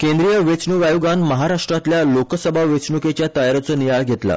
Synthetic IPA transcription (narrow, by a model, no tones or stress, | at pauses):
kẽnd̪ɾijəʋet͡sɳuʋajuɡanməɦaɾaʂʈɾat̪ljalokəsəbʱaʋet͡sɳuket͡ɕjat̪ajaɾot͡səːnijaɭɡʱet̪la̰